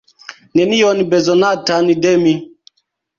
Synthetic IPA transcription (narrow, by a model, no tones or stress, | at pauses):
nɛnijɔnibɛzɔnatanidɛmi